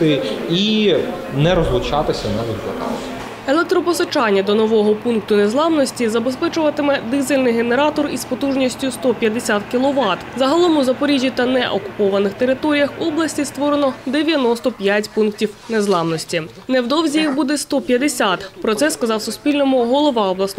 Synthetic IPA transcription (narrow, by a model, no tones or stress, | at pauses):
ɪi | nɛɾɔzlˠʊt͡ʃat̪ɪsʲɐnɛzɐplˠɐ̰kɑ̰t̪ɪ | elˠek̚t̪ɾɔpɔsɐt͡ʃɑnʲːɐd̪ɔnɔʋɔɦɔpunkt̪ʊne̞zlˠɑmnɔsʲtʲizɐbespɛt͡ʃʊʋɐt̪ɪmɛd̪ɪzelʲnɪjɦene̞ɾɑt̪ɔrispɔt̪uʒnʲisʲtʲʊst̪ɔpʲjɐd̪esʲat̪kʲilˠɔʋɑt̪zɐɦɐlˠɔmʊzɐpɔɾʲiʒʲːit̪ɐnɛʔɔkʊ̥pɔʋɐnɪxt̪e̞ɾɪt̪ɔɾʲijɐxɔblˠɐsʲtʲist̪ʋɔɾenɔd̪eʋʲjɐnɔst̪ɔpʲjatʲpunktʲiwnezlˠɑmnɔsʲtʲi | newd̪ɔwzʲijixbud̪ɛst̪ɔpʲjɐd̪esʲat̪pɾɔt̪sɛskɐzɑwsʊsʲpʲilʲnɔmʊɦɔlˠɔʋɑɔblˠɐs